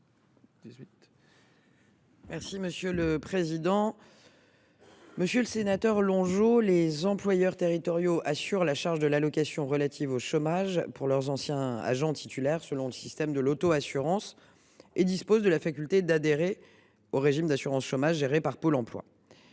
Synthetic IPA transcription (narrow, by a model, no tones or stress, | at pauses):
d̪izi | mɛʁsiməsjøləpχezid̪ɑ̃ | məsjøləsenat̪œʁlɔ̃ʒolezɑ̃plwajœʁt̪eʁit̪ɔʁjoʔasyʁlaʃaʁʒd̪əlalɔkasjɔ̃ʁəlat̪ʰivoʃomaʒpuʁlœʁzɑ̃sjɛ̃a̰ʒɑ̃t̪ʰi̥t̪ʰylɛʁsəlɔ̃ləsist̪ɛmd̪əlot̪oasyʁɑ̃s | ed̪ispozd̪əlafakʲylt̪ed̪ad̪eʁe | oʁeʒimd̪asyʁɑ̃sʃomaʒːeʁepaʁpolɑ̃plwa̰